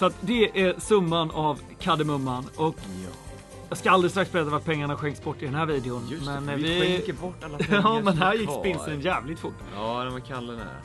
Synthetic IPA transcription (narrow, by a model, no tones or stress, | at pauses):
sɔat̪d̪ɛʔæɾsɵmːanav | kʰad̪əmɵmːanɔk | jɑːɡskaalɾɪst̪ɾaksb̥ɛɾɛt̪ːavat̪̚pʰɛŋːaɳaɧɛŋksbɔʈːɪd̪ɛnɦæːɾviːd̪ɛʊnmɛnvɪk̪ːəbɔʈːalːaɑmɛnɦæɾjɪkːspɪnsənjæːvlɪɡ̚t̪fʊʈː | d̪ɛvakʰalːəna̰